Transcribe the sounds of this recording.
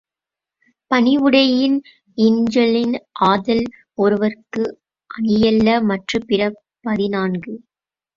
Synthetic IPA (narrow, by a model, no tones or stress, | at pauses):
pɐnɪʋɯɽɐjɪn | ɪɲd͡ʒɐlɪnʔaːðɐl | ɔɾɯʋɐrkɯ | ʔɐɳɪjɐlːɐmɐʈrɯpɪrɐ | pɐðɪnaːnɡɯ